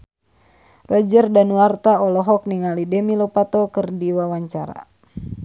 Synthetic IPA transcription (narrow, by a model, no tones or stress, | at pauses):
ruad͡ʒərdanuart̪aɔlɔɦɔk̚niŋalidɛmilɔpat̪ɔkɨrdiwawaɲt͡ʃaɾa̰